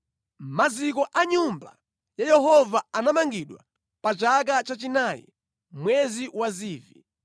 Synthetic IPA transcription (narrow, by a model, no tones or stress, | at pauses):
mazikɔʔaɲumba̰ | jajɛɦɔvaanamaŋɡiɗwa̰ | pat͡ʃak̬at͡ʃat͡ʃinajɛ̰ | mwɛziwaziːvi